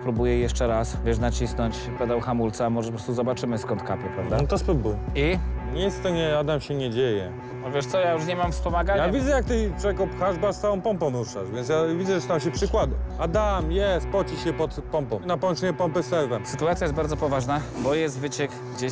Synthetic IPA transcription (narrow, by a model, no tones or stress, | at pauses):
pɾubujɛjɛʂt͡ʂɛɾasvʲjɛʂ̬nat͡ɕisnɔɲt͡ɕ | pɛd̪ɛwxamult̪sɛmɔʐɛpɔpɾɔst̪uzɔbat͡ʂɘmɘskɔnt̪kapʲjɛpɾa̰vd̪ant̪ɔspɾubuiɲit̪st̪ɔɲɛad̪amɕɛɲɛd͡ʑejɛ̰ | ɔvʲjɛʂt̪sɔjajuʂɲɛmamfspɔmaɡaɲjavʲidzɛjak̚t̪ɪpʂɛkɔpxaʐbasawɔ̃w̃pɔmpɔ̃muʂaʐvʲjɛnt̪sjavʲidzɛɛst̪amɕ̬ɛpʂɘkwad̪uad̪amjɛst̪̚pɔt͡ɕiɕjɛpɔt̪pɔmpɔ̃m̃napɔɔnt͡ʂɛɲɛpɔmpɛsɛɾvɛsɘt̪uat̪sʲjajɛsbaɾd̪ɔpɔvaʐnabɔjɛst̪vɘt͡ɕɛkɡd͡ʑe